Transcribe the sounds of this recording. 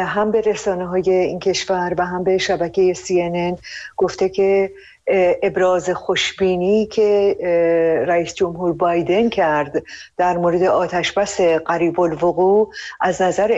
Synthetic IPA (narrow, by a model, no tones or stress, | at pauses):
ɦæmbe̞ɾe̞sɒːneɦɒːje̞iːncʰe̞ʃvæɾvæɦæmbe̞ʃæbæcʰe̞je̞siːenenɡ̥o̞ft̪e̞cʰe̞ | ebɾɒːze̞xo̞ʃbiːnicʰe̞ | ɾæiːsd͡ʒo̞mɦuːɾbɒːjd̪e̞ncʰæɾd̪d̪æɾmoːɾe̞d̪eʔɒːt̪ʰæʃbæse̞ɢæɾiːbolvoɣuːʔæznæzæɾ